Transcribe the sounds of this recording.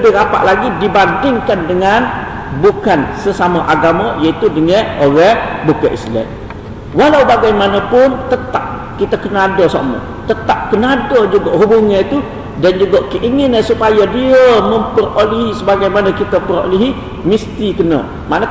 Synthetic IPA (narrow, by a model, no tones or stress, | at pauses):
əbɪɾapa̰ʔlaɡidibandɪŋkandəŋan | bukansəsamaʔaɡaməjait̪udəŋəoɾɛhbukəʔḭslɛ̰m | walawbaɡajmanəpʊnt̪ət̪ap̚ | kit̪akənadosa̰mə̰ | t̪ət̪ap̚kənadod͡ʒuɡaʔɦubuŋəit̪u | dand͡ʒuɡaʔkəʔiŋɪnəsupajadiəməmpəroliɦisəbaɡajmanakit̪apəɾo̰liɦi | mist̪ikənə̰ | manə